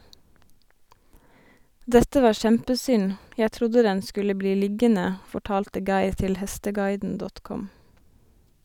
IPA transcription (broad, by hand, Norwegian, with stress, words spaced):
ˈdɛtə ˈʋɑː ˈʃɛmpəˌsʏn ˈjæ ˈtɾʊdə ˈdɛn ˈskʉlə ˈbliː ˈlɪɡənə fɔˈʈɑːltə ˈɡɑɪɾ ˈtɪl ˈhɛstəˌɡɑɪdn̩ ˈdɔt ˈkɔm